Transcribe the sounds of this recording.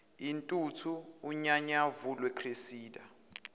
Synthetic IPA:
intʼutʰuː | ɲaɲavulwɛkʰresiːda

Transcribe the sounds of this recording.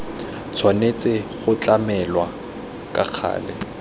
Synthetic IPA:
t͡sʰwanet͡sʼɪχʊt͡ɬʼamɛlwa | kʼa̰k͡xʰa̰ːlɪ̰

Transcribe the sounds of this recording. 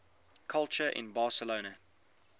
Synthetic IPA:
kʰalˠt͡ʃəʔɪ̰̃nbɑˑsəloʊnə

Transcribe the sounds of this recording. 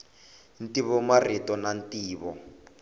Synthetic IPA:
n̩tiβɔmaritɔnantiːβɔ̰

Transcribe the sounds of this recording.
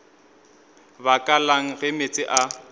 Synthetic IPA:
bakʼalaŋ̩ɣɪmet͡sʼɪʔa

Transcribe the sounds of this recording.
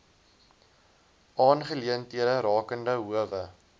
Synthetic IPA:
ɑːnχəliəntiəɾəɾɑːkəndəɦuəvə

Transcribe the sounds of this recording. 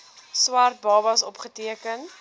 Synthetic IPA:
swɐrt̚bɑːbɐsɔpχətiəkən

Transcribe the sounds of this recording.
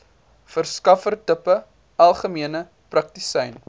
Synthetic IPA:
fərskɐfərtəpə | ɐlˠχəmiənə | prɐk̚tisɛjn

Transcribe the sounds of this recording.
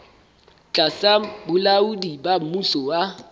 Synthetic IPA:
t͡ɬʼasabʊlaʊdibam̩musɔwa

